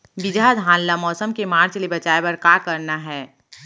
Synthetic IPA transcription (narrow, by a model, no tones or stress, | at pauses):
ʋɪd͡ʒad̪ʱɦãːllamɔːsəmkemaːɾt͡ʃlebɐt͡ʃaːebɐɾkaːkɐɾnaɦɛː